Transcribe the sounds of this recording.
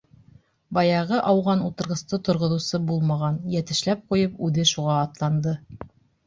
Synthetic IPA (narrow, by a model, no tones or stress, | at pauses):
bɑjɑʁɤʔɑwʁɑnut̪ɤ̆ɾʁɤ̆st̪ɤt̪ŏɾʁŏðŭsɤbulˠmɑʁɑnjæt̪ɘ̆ʃlæp̚qujɤpʉðɘʃuʁɑːt̪lˠɑnd̪ɤ